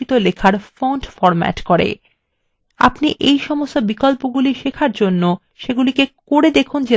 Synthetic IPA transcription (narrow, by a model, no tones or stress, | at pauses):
it̪olekʰaɾfoɳʈfɔɾmɛ̰ʈkoɾḛ | a̰pniʔejʃɔmost̪obikɔlpoɡuliʃekʰaɾd͡ʑonːo | ʃeɡulikekoɾed̪ekʰund͡ʑe